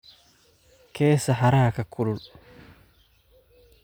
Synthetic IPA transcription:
kʰe̞ːsːɐħaɾaːkɐkʰːʊlʊl

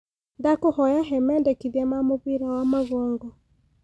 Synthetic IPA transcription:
ndakohɔjaɦɛmɛndɛkiðiɛmamoβwiɾawamaɣɔːŋɡɔ

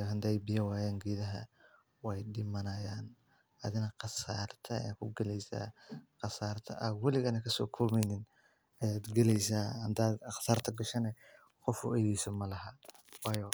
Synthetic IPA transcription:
ɦɐnd̪ɛjbɪjɐwaːjaːŋɡiːðɐɦɐ̰ | wɑjɖɪmɐnɐjaːn | ʔɐðɪnɐqɑsaːrt̪ʰɐ̰ja̰kʰʊɡɐlɛjsa̰ːqɑsaːrt̪ʰɐ̰ʔɐwɛlɪɣɐnɐkʰɐsɔ̰ːkʰɔːlmɛjnɪn | ʔɐjaːd̪ɡɐlɛjsaːhɐnd̪aːd̪qɑ̥saːrt̪ʰɐɡɐʃɐnɛ | qɔfʊ̰ʔɛjiːsɐmɐlɐɦɐ | wɑːjɔ

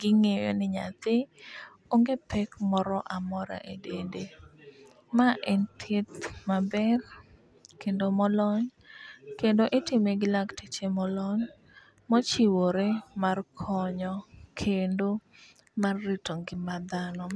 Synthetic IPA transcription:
ɡ̥ɪŋejo̰nɪɲa̰t̪ɪ | oŋɡepʰɛkmɔɾɔʔamɔɾa̰ʔedende | maʔɛnt̪ʰet̪mabɛr | kendomɔlɔɲ | kendoʔɪtɪmeɡɪlaktit͡ʃemɔlɔɲ | mɔt͡ʃiwoɾemarkʰɔɲɔkʰendo | marːitoŋɡɪmad̪anɔ

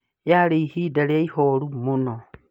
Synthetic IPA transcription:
jaɾeihiːdaleaihoɾumuno

